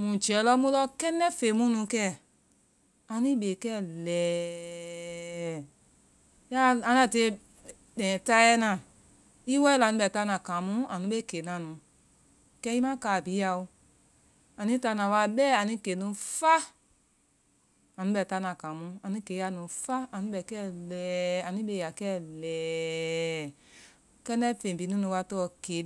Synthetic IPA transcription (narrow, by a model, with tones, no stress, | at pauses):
mũ˨d͡ʒɛ˨˦lɔ˧˦mũ˧˦lɔ˧kɛ˦nɛ̃˦fe˨mũ˦nũ˨˧˦kɛː˦˨ | a˨˧nĩ˦ɓe˨kɛ˦˨lɛː˨ | ja˦ã˨˧nã˧˨te˧˦ | dɛ̃ː˨ta˦ɛ˦nã˨ | i˦wɛ˦˧la˨nũ˦ɓɛ˨ta˧˦nã˨kã˨mũ˦a˨nũ˦e˦ke˨˦nã˨nũ˨˧ | kɛ˦i˦mã˦kaː˧˨bi˨˦a˧o˧ | a˨nĩ˦ta˧˦nã˨wa˧bɛː˦a˨nĩ˧˦ke˨nũ˧fa˦ | a˨nũ˦bɛ˨ta˧˦nã˨kã˨mũ˧˦a˨nĩ˧˦ke˨˦ja˧˨nũ˧fa˦a˨nũ˧˦bɛ˨kɛ˦lɛ˨a˨nĩ˦be˧˨ja˨kɛ˦˨lɛː˨ | kɛ˦nɛ˦fẽ˨bi˨˦nũ˦nũ˧wa˧tɔ˧˦ke˨˦